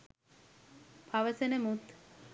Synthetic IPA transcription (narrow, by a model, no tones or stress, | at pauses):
pʰaʋəsenəmut̪